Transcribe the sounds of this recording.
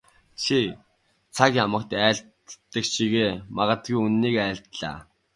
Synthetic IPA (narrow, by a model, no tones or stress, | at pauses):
t͡ɕʰi | t͡sʰakjamə̆kt̪æːɮt̪ː | ə̆kʃiɣeːmaʁə̆t̪ɡujunːiːkæːɬt̪ɮa̰ː